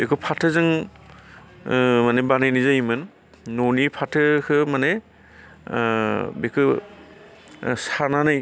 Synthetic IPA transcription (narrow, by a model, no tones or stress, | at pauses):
bekʰɯpʰatʰɯzɯŋ | manebanajnizajmɯnː | onipʰatʰɯkʰɯmane | bekʰɯ | sananaj